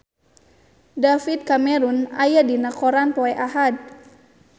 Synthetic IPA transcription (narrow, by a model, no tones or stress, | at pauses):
dafit̪̚kamɛɾuna̰jadinakɔɾanpɔɛʔaɦad̚